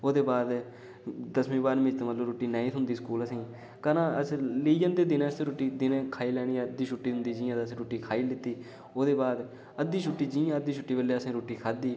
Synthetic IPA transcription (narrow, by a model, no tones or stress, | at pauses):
oːd̪eːbaːd̪ | d̪əsmĩːbaːɾmɪ̃t͡ʃt̪ẽːmət̪ləɾoːʈːiːnaːĩːt̪ʰʊnd̪iːskuːləsĩː | kənãːəsliːd͡ʒənd̪eːd̪ɪnẽːəst̪ẽːɾoːʈiːd̪ɪnẽːkʰaːiːlɛːɽ̃iːãːd̪iːt͡ʃʰʊʈːiːt̪ʊnd̪iːd͡ʒĩːãːd̪əsĩːɾoːʈiːkʰaːiːlɪt̪ːiː | oːd̪eːbaːd̪ | əd̪ːiːt͡ʃʰʊʈːiːd͡ʒĩːãːəd̪iːt͡ʃʰʊʈːiːbəleːəsĩːɾoːʈiːkʰaːd̪iː